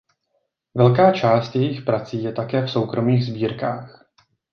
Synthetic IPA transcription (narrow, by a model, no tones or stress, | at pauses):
vɛlkaːt͡ʃaːst̪jɛjɪxpɾat͡siːjɛt̪akɛːfso̞wkɾo̞miːɣzbiːɾkaːx